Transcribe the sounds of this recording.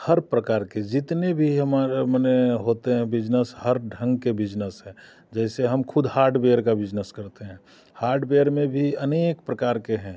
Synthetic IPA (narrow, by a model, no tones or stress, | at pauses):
həɾpɾəkaːɾked͡ʒɪt̪nebʱiɦəmaɾeməneɦoːt̪eɦɛ̃bɪd͡ʒnəshəɾɖʱə̃ŋɡkebɪd͡ʒnəsɦɛ̃ː | d͡ʒɛːseɦəmkʰʊd̪ʱhaːɾɖbejəɾkabɪd͡ʒnəskəɾt̪eɦɛ̃ː | haːɾɖbejəɾmẽbʱiəneːkpɾəkaːɾkeɦɛ̃ː